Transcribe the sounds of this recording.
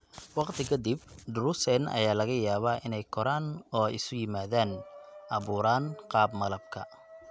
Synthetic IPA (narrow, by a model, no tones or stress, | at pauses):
wɑqt̪ʰɪkʰɐd̪ɪbɖʊɾʊsɛnɐ̰jaːlɐɣɐjaːβaːʔɪnɛjkʰɔɾaːnɔːjɪsʊjɪmaːðaːnʔɑβuːɾaːnqɑːbmɐlɐb̚kʰɐ